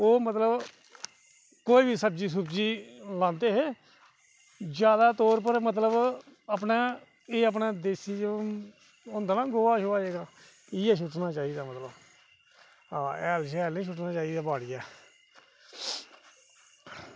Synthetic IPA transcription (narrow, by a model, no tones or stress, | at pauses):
oːmət̪ləb | koːiːbʱiːsəb̚d͡ʒiːs̬ʊpd͡ʒiːlãːnd̪eːɦeː | d͡ʒjaːd̪aːt̪oːɾp̬əɾmət̪̬ləbəpnaː | eːəp̬naːd̪eːsiːd͡ʒ | ʊ̃ːnd̪aːnãːɡoːaːʃoːaːeːɡaː | iːɛːʃ̬ʊʈnaːt͡ʃaːiːd̪aːmət̪ləb | aːɛːlʃɛːlnĩːʃʊʈnaːt͡ʃaːiːd̪aːbaːɽɪjaː